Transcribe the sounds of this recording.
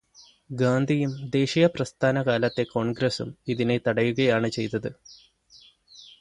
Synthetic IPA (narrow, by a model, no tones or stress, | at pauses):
ɡaːnd̪ʱijumd̪e̞ːɕijɐprɐst̪ʰaːnɐɣaːlɐt̪ːe̞ko̞ːɳɡɾɐsumiðine̞t̪ɐɽɐjuɣɐjaːɳɨt͡ɕe̞jt̪ːɐðɨ